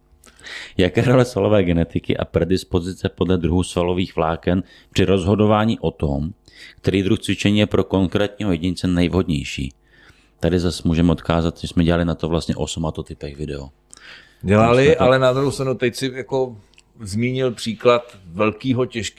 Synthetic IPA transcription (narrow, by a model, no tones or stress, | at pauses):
jakɛːɾolɛsvalo̞vɛːɡɛnɛt̪ɪkɪ̰ʔa̰pɾɛdɪspo̞zɪt͡sɛpo̞dlɛd̪ɾuɦuːsvalo̞viːxvlaːkɛn | pr̥ɪɾo̞zɦo̞do̞vaːɲiːʔo̞t̪omkt̪ɛɾiːd̪ɾuxt͡svɪt͡ʃɛɲiːjɛpɾo̞ko̞ŋkɾɛːt̪ɲiːɦo̞jɛɟɪɲɪt͡sɛnɛjvɦo̞dɲɛjʃḭː | t̪adɪzasmuːʒɛmɛot̪kaːzat̪ɛsmɛɟɛlalɪnat̪ovlast̪ɲɛ̰ʔosumat̪ot̪ɪpɛɣvɪdɛo | ɟɛlalɪʔalɛnad̪ɾuhowst̪ɾanut̪ɛcsɪjako | zmiːɲɪlpr̥iːklat̪vɛlkiːɦocɛʃk